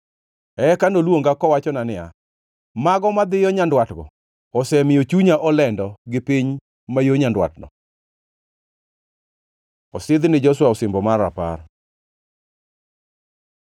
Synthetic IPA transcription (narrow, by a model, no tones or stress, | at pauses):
ɛkandolwoŋɡakɔwat͡ʃɔnanɪja̰ | maɡɔmad̪ɪjɔɲandwatɡɔ̰ | ɔsɛmɪjot͡ʃuɲaʔɔlɛndɔɡɪpiɲ | majoɲandwa̰tnɔ̰ | ɔsɪd̪nɪd͡ʒɔswaɔsɪmbɔmara̰pa̰r